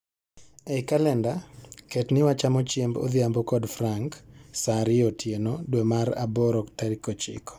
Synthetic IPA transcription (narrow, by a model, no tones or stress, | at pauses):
ɛɪkalɛndaketnɪwat͡ʃamot͡ʃjembo̰d̪jambɔkɔdfɾaŋksaɾɪotʰjenodwemaɾa̰bɔɾɔktaɾikot͡ʃɪ̰kɔ̥